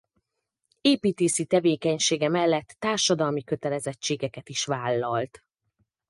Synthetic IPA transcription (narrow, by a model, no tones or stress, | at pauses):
eːpiːt̪eːsit̪ɛveːkɛɲʃeːɡɛmɛlːɛt̪ːaːrʃɒd̪ɒlmikø̞t̪ɛlɛzɛt͡ʃːeːɡɛkɛt̪iʃʋaːlːɒlt̪